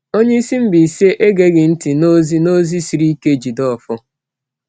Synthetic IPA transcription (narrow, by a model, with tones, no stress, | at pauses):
o˦ɲe˦i˦si˦m̩˦bi˨i˨se˦ʔe˦ɡe˦ɡɪ˨n̩˦ti˨no˦zi˦no˦zi˦si˨ɾi˦i˦ke˦d͡ʒi˨dɔ˦˨fʊ˦